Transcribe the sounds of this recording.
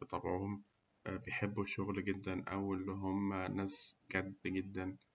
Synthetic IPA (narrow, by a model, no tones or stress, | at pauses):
bet̪ˤɑbʕohom | bejħebːuʃoɣlɡed̪ːænʔæwelːiɦomːænæːsɡæd̪ɡed̪ːæn